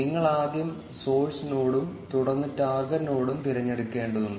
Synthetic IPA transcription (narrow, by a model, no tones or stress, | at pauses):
niŋːɐɭaːd̪jɐm | so̞ːlsunoːɽumt̪uɽɐnːɨtːaːrɡɐɾɐno̞ːɽumt̪iɾɐɲːeɽukːe̞ːɳɖɐðuɳɖɨ